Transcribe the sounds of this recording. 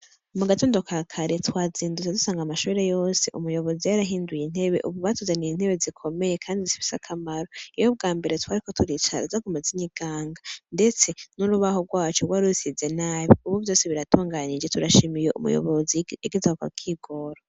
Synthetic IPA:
umuɡatoːndokʰakʰaɾetwaːziːnduzedusaːŋɡamaʃuːɾe̞jo̞ːse̞̰ʔumujo̞βo̞zijaɾaɦiːndujin̥he̞βe̞̰ʔuβuβaːtuzaniin̥he̞βe̞zikʰo̞me̞je̞kʰaːndizifi̥sa̰kʰamaɾoijo̞b̚ɡaːmbe̞ɾe̞twaːɾiko̞tʰuɾit͡ʃa̰ɾa̰zakumaziɲiɡ̥aːŋɡande̞t͡se̞nuɾuβaho̞ɡwaːt͡ʃoɡwaɾusize̞naːβiuβuβjo̞ːseβiɾatuːŋɡanid͡ʒetuɾaʃimije̞ʔṵmṵjo̰βoziiɡizahoka̰kʰiɡo̞ɾo

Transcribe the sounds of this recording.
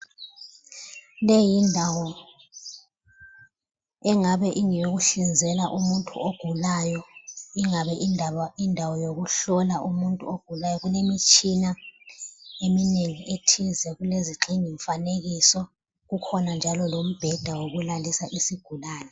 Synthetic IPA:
lejindʱawɔ | ɛŋaβɛʔiŋijoɣuɬind͡zʱɛlaʔumuntʼṵoɡ̥ʱulajɔiŋaβɛʔindʱaindʱawɔjoɣuɬɔlaʔumuntʼṵoɡ̥ʱulajɔɣunemit͡ʃʼina | emineŋiʔetʰizɛɣuleziǃʰiŋiɱfaneɣisɔ | ɣukʰɔnand͡ʒʱalɔlom̩b̥ʱɛd̥ʱawoɣulandʱisaʔisiɡ̥ʱulaːnɛ

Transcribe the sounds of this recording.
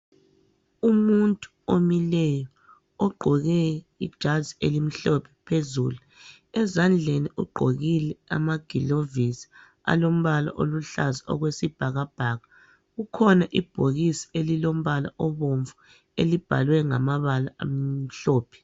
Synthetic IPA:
umuntʼuomilɛjɔ | ɔɡ͡ǃʱɔɣɛ | id̥ʒ̥ʱazielim̩ɬɔpʰɛ̥pʰezṵːlu | ɛzand͡ɮʱeniuɡ͡ǃʱoɣilɛa̰maɡ̥ʱilovisi̥ | a̰lom̩βala̰ʔo̰luɬazaɔ̰ɣwesib̥ʱaɣab̥ʱaɣa | ɣukʰɔnaʔib̥ʱoɣisi̥elilom̩βala̰ʔɔβoɱvu | elib̥ʱalwɛŋamaβala̰a̰m̩ɬɔːpʰɛ̥

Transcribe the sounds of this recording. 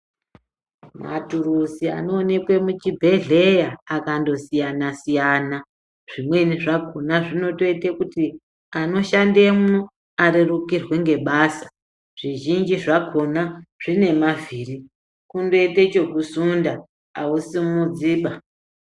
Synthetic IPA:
ma̰turusia̰no̞ːne̞kwe̞mut͡ʃibʱe̞ɮe̞jaːkando̞sijanasijana | ʐ̥imwe̞niʐakonaʐino̞to̞itekuti | ano̞ʃande̞mu | aɾirukirwe̞ŋɡe̞ɓaːsḁ | ʐ̥iʒind͡ʒiʐakʰo̞naʐ̥ine̞maviːri | kundo̞ite̞t͡ʃo̞kusundaː | usimud͡ziːɓa

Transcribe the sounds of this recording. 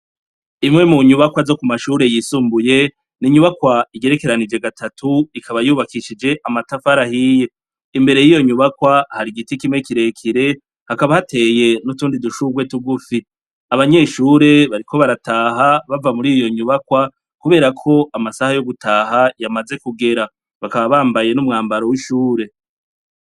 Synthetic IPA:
imŋe̞muɲuβakwazo̞kumaʃuːɾe̞jisuːmbuje̞ | niɲuβakwaiɡe̞ɾe̞ke̞ɾanid͡ʒe̞ɡatʰatʰuikʰaβajuːβakiʃid͡ʒe̞ʔamatafaɾahije̞ | imbe̞ɾe̞jijo̞ɲuβakwahaɾiɡitikimŋe̞kiɾe̞kʰiɾe̞ | hakaβahatʰe̞je̞nutuːndiduʃuɡwe̞tuɡufi | aβaɲe̞ʃuːɾe̞βaɾikʰo̞βaɾataːɦaβavamuɾijo̞ɲuβakwa | kuβe̞ːɾakʰo̞ʔamasahajo̞ɡutʰaːɦajamaze̞kuɡe̞ɾa | βakaβaβaːmbaje̞numŋaːmbaɾo̞wiʃuːɾe̞

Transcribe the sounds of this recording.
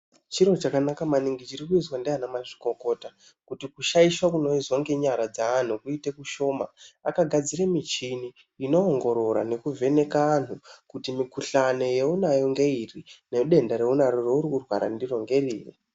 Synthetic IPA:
t͡ʃiro̞t͡ʃakanakamaniŋɡit͡ʃiɾikuiswandianamaʐi̥ko̞ko̞ta | kutikuʃaiʃwakuno̞izoŋɡe̞ɲaɾad͡zaan̤ukuitekuʃo̞ma̰akaɡʱad͡ziɾemit͡ʃiniː | no̞ːŋɡo̞ɾo̞ɾa̰ne̞kuve̞ne̞kaaːn̤ukutimikuɬano̞je̞unajo̞ŋɡe̞irineɗe̞ndaɾeunaɾoreurikurwa̰ɾa̰ndiro̞ŋɡe̞riːrḭ

